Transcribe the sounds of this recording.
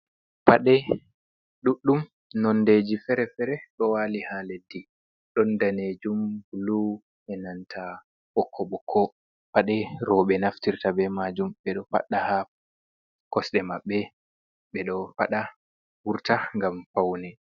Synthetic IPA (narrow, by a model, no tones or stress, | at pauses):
paɗɛ | ɗuɗːum | nɔnded͡ʒifɛɾɛfɛɾɛɗɔwaːlihaledːi | ɗɔndaned͡ʒumlu | ʔɛnantʰa | ʔɔkʰːɔɓɔkʰːɔ | paɗɛɾɔɓɛnaftiɾtabɛmad͡ʒumɓɛɗɔfa̰ɗːaha | kɔsɗɛmaɓːɛ | ɓɛɗɔfaɗa | wuɾtaŋɡamfawnɛ